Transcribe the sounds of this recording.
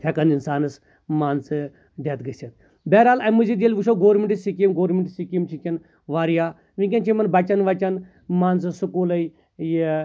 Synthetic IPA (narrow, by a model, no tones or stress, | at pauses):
t̪ʰʲɐkɐninsaːnɨs | maːnt͡sɨ | ɖet̪ɡɐsɐt̪̚ | bɛɾaːlɐmuzid̪ilʲʋuʃoːɡoːɾmʲeɳʈisikimɡoːɾmʲiɳʈsikʲimt͡ʃʰikʲɐn | ʋaːɾijaː | ʋĩkʲɐnt͡ʃʰimɐnbɐt͡ʃɐnʋɐt͡ʃɐn | maːnsɨsukuːlɐj | ji